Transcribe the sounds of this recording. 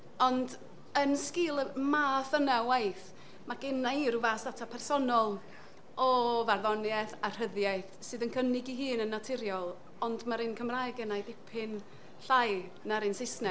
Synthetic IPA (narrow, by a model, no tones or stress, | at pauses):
ɔnd | ənskɪːlˠəmaːθənawajθ | maɡ̥ɪnːaiɾuvaːsðatʰapʰɛrsɔnɔlˠ | ɔvarðɔnjɛθar̥əðjajθsɨːðənkʰənɪɡiɦɨːnənːatʰɪɾjɔlˠ | ɔndmaɾɨnkʰəmrajɡɛnajdɪpʰɪn | ɬaj | naɾɨnsɪsnɛ